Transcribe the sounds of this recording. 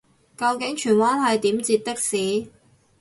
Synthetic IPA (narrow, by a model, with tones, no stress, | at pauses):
kɐ˧wkɪ˨˥ŋt͡ʃʰyː˨˩nwaː˥nɦɐ˨jt̪iː˨˥mt͡siː˧t̚t̪ɪ˥k̚siː˨˥